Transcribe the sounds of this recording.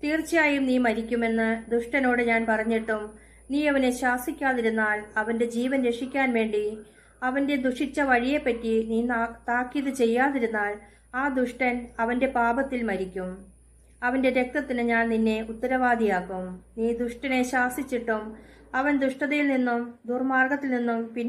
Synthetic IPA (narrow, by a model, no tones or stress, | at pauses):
t̪iːrt͡ɕːijaːjumniːmɐɾikʲːume̞nːɨd̪uʂʈɐno̞ːɽɨɲaːnpɐrɐɲːiʈːum | niːɐʋɐne̞ɕaːsikʲːaːðiɾunːaːlɐʋɐnde̞d͡ʑiːʋɐnɾe̞ʂikʲːaːnʋe̞ːɳɖi | ɐʋɐnde̞d̪uʂit͡ɕːɐʋɐɻije̞pːɐtːiniːnt̪aːkːiðɨt͡ɕe̞jːaːðiɾunːaːl | aːd̪uʂʈɐnɐʋɐnde̞paːbɐt̪ːilmɐɾikʲːum | ɐʋɐnde̞ɾe̞k̚t̪ɐt̪ːinɨɲaːnninːe̞ut̪ːɐɾɐʋaːd̪ʱijaːkːumniːd̪uʂʈɐne̞ɕaːsit͡ɕːiʈːum | ɐʋɐnd̪uʂʈɐðɐjilninːumd̪urmaːrɡɐt̪ːilninːumpinː